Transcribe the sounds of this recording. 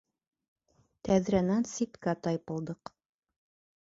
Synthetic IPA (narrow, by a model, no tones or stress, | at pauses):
t̪æðɾænænsit̪kæt̪ɑjpɤ̆lˠd̪ɤq